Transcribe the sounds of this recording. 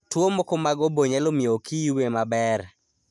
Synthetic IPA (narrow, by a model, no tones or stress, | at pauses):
twomokomaɡɔboɲɛlomiokʰiiwemabɛɾ